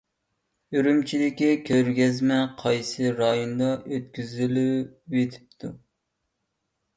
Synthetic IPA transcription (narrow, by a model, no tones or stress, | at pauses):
yɾymt͡ʃʰid̪ɪkʲikʲʰøɾɡʲɛzmɛqʰɑjsɨɾɑjond̪ɑʔøt̪̚kʲyzɪlywet̪ʰɪ̥p̚t̪ʰu